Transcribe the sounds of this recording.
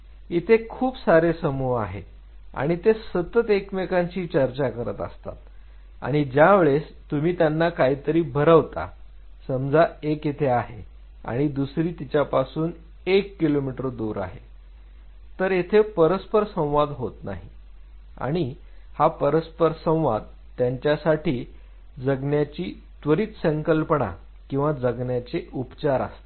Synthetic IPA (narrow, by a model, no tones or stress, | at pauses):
it̪ʰekʰuːpsaɾesəmua̰ɦe | a̰ɽ̃it̪esət̪ət̪ekmekaɲt͡ɕiːt͡ɕəɾt͡ɕakəɾə̰t̪ə̰st̪a̰t̪ | a̰ɽ̃id͡ʑjaʋeɭes | t̪um̤iːt̪janːakaɦiːt̪əɾiːbʱəɾəʋt̪a̰ | səmd͡zaeket̪ʰeaɦe | a̰ɽ̃id̪usɾiːt̪it͡ɕjapasuːn | ekːilomiʈəɾd̪uːɾa̰ɦe | t̪əɾet̪ʰepəɾəspəɾsə̃w̃ʋad̪ɦot̪na̰ɦi | a̰ɽ̃i | hapəɾəspəɾsə̃w̃ʋa̰d̪̚ | t̪ːjaɲt͡ɕjasaʈʰiː | d͡zəɡnjat͡ɕiː | t̪ʋəɾiːt̪səŋkəlpəɳa̰ | kĩw̃ʋad͡zəɡnjat͡seʔupt͡ɕaɾa̰st̪e̥